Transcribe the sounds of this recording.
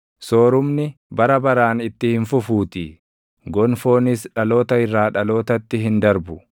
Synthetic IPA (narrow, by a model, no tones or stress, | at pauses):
so̞ːɾʊmnɪbɐɾɐbɐɾaːnɪt̪ːɪhɪnfʊfuːt̪ɪ | ɡɔnfo̞ːnɪsᶑɐlo̞ːt̪ɐɪrːaːᶑɐlo̞ːt̪ɐt̪ːɪɦɪnd̪ɐɾbʊ